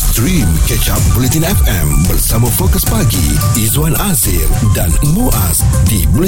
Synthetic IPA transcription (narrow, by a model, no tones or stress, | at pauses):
tɾimkɛt͡ʃap̚bulit̪inɛfɛ̃mbərsamãfokəspaɡḭizoanazḭldanmuʔa̰sdibul